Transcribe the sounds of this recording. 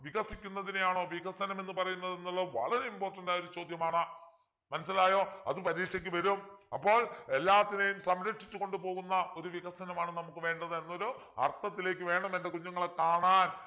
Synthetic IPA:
ʋiɣɐsikʲːunːɐðinejaːɳo̞ːʋiɣɐsɐnɐmenːɨpɐrɐjunːɐðenːuɭːɐʋɐ̰ɭɐɾeimpo̞ːrʈːɐndaːjoɾut͡ɕo̞ːd̪ʱjɐmaːɳɨ | mɐnɐs̬ːilaːjo̞ːɐ̰ðɨpɐɾiːkʂɐk̬ʲːɨʋɐɾumɐpːo̞ːɭe̞lːaːt̪ːinejumsɐmɾɐkʂit͡ɕːuko̞ɳɖupo̞ːɣunːɐʔo̞ɾuʋiɣɐsɐnɐmaːɳɨnɐmukːɨʋe̞ːɳɖɐðɨenːo̞ɾu | ɐ̰rt̪ːɐt̪ːile̞ːkːɨʋe̞ːɳɐmende̞kuɲːuŋːɐɭekaːɳaːn

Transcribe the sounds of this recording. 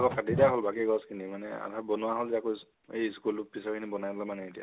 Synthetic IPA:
akɔkʰatidaɦɔlbakiɡɔskʰinimanɛ̰a̰tabɔnʊwaɦɔlzɛakos | ejskulʊpisakʰinibɔnajbɔlamanɛetija̰

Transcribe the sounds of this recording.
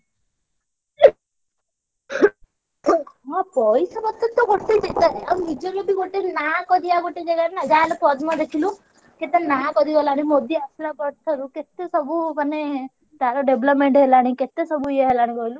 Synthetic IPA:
ɦɔ̃pɔjsɔbɔt̪ʰːet̪ːɔɡoʈʰt̪et̪et̪aɾiamũnid͡ʒɔɾɔbiɡoʈenakɔd̪iaɡoʈed͡ʒeɡaɾenad͡ʒaalepɔd̪mad̪ekʰilũ | ket̪enaakɔɾiɡɔlaɽ̃imod̪ʱjɔaslapɔɾt̪ʰɔɾuket̪esɔbumane | t̪aɾɔɖeblɔpmeɳʈɦelaɽ̃iket̪esɔbuieɦelaɽ̃iɡɔɦilu

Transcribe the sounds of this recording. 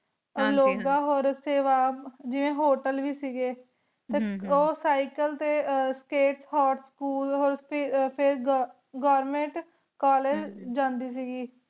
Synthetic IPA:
əloːɡaːɦoːɾseːʋaːbd͡ʒɪʋẽːɦoːʈəlʋiːsiːɡeː | t̪eːoːsaːɪkəlt̪eːskeːʈshaːʈskuːlɦoːɾpʰːpʰɪɾ | ɡɔːɾmẽɳʈ | kaːleːd͡ʒd͡ʒãːnd̪iːs̬iːɡiː

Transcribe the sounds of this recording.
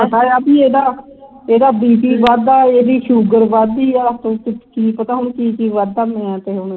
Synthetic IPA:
pət̪aːaːbiːeːd̪aː | eːd̪aːbiːpiːʋaːd̪aːeːd̪iːʃuːɡəɾʋaːd̪iːaːt̪õːkɪkiːpət̪aːɦʊɳkiːkiːʋad̪aːmẽɛ̃ːt̪eːɦʊɳ

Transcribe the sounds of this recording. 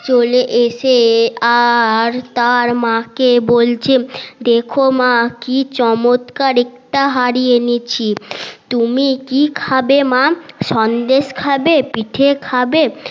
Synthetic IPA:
t͡ɕoleʔeʃeaɾt̪aɾmãkebolt͡ɕʰed̪ekʰomakit͡ɕɔmot̪kaɾek̚ʈaɦaɾijenit͡ɕʰit̪umikikʰabemaʃɔnd̪eʃkʰabepiʈʰekʰabe

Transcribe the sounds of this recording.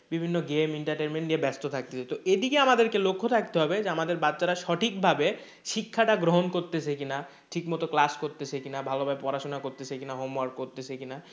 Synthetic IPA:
bibʱinːoɡemiɳʈaɾʈenmeɳʈniebɛst̪ot̪ʰak̚t̪et͡ɕʰet̪oed̪ikeamad̪eɾkelokʰːot̪ʰak̚t̪eɦɔbed͡ʑeamad̪eɾbatːɕaɾaʃɔʈʰik̚bʱabe | ʃikʰːaʈaɡɾoɦonkoɾt̪et͡ɕʰekina | ʈʰikmɔt̪oklaskoɾt̪et͡ɕʰekinabʱalobʱaepɔɾaʃonakoɾt̪et͡ɕʰekinaɦomwaɾʈ̚koɾt̪et͡ɕʰekina

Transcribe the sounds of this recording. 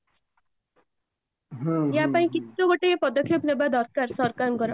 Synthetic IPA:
jãpaĩkioɡoʈepʌd̪ʌkʰepnebad̪ʱʌɾkaɾsʌɾkamɡʌɾa

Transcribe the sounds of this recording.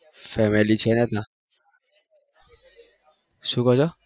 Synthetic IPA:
fɛmɛlit͡ʃʰɛnɛt̪a | sukɔzɔ

